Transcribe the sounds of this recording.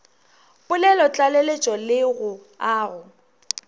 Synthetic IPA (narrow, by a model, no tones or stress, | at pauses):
pʼʊlɛlɔt͡ɬʼalelet͡ʃʼɔlɪɣʊ | aːɣʊ